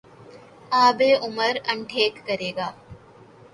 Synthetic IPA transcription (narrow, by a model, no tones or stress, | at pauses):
aːbeːʔumɐɾɐɳʈʰeːkːɐɾeːɡaː